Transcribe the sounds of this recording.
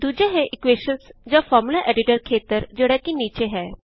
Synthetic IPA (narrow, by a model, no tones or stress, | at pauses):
d̪ud͡ʑʱaɦeʔikʋeɕənsd͡ʑjafɔɾmulaʔɛɖiʈəɾkʰet̪əɾd͡ʑeɽjakiːnit͡ɕeɦɛ